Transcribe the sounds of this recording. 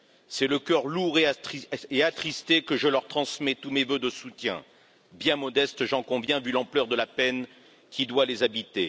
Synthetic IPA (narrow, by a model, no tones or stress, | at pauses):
sɛləkʲœʁluʁeeat̪χist̪ekəʒəlœʁt̪χɑ̃smɛt̪umevød̪əsut̪jɛ̰̃ | bjɛ̃mɔd̪ɛst̪ʒɑ̃kɔ̃vjɛ̃vylɑ̃plœʁd̪əlapɛn | kʲid̪walezabit̪e